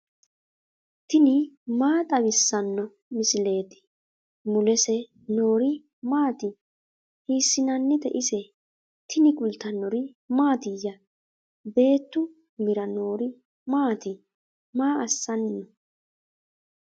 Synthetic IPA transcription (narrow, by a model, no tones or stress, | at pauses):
t̪ɪnɪmaːt̪ʼɐwɪsːɐnːɔ | mɪsɪle̞ːt̪ɪ̥ | mʊlɛsɛ | no̞ːɾɪ | maːt̪ɪ | hiːsːɪnɐnːɪd̪ɛ̰ʔɪsɛ | t̪ɪnɪkʼʊlt̪ːɐnːɔɾɪ | maːt̪ɪjːɐ | be̞ːt̪ːʊ | mɪɾɐno̞ːɾɪ | maːt̪ɪ | maːʔɐsːɐnːɔ